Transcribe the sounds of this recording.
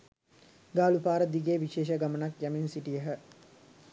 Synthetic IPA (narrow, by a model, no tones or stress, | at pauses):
ɡaːlupaːɾəd̪iɡeːʋiʃeːʃ̬əɡamənakjaminsiʈijəɦə